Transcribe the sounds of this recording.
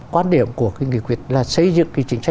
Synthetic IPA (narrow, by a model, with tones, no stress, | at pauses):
kwaː˧nɗi˧˩əmku˧˩əka˨˧˦jŋḭ˧˨kwi˧˩ət̚laː˨˩sə˧jzɨ̰˧˨ŋki˧˦t͡ɕï˧˩ŋ̟t͡ɕa˧